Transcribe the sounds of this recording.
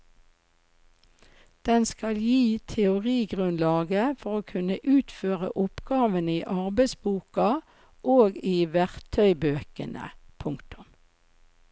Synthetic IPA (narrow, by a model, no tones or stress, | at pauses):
d̪̥ɛnskɑljiːt̪ʰɛʊʁiːɡʁʉnlɑːɡəfɔʁoːkʰʉnəʔʉːt̪føːʁə̰ʔʊpɡ̥ɑːʋəniːʔɑʁbɛɪsbuːkɑ | ʔoːɡiːʋæʁt̪ʰœʏbøːkə̰nʔə̰pʰʊŋkt̪ʊ̥m